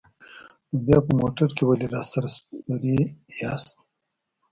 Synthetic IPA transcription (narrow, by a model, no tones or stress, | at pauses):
objaːpəmoʈaɾkewaleɾɑːst̪aɾsaɾijɑst̪̚